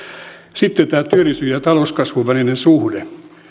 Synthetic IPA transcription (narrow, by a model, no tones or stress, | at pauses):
sit̪ːet̪æːt̪yørisyjɑt̪ɑlouskɑsʋuʋænenensuhde